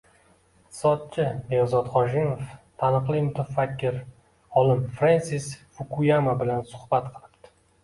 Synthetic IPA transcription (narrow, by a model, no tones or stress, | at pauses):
ɪqt̪ɪ̥sɒd̪̚t͡ʃʰɪbezɒt̪χɒʒɪmoft̪ʰanɨqlˠɪmʊt̪ʰafakʲʰːɪɾ | ɒlɪmfɾansisfʊkʰujamabɪlansʊ̥hbat̪qʰɨlˠɪpt̪ɪ̥